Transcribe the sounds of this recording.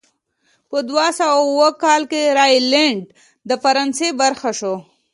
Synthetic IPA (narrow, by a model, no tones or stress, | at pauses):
pəd̪wasawawəkɑlkeɾaileɳɖ | d̪əfaɾɑnsebaɾxaʃo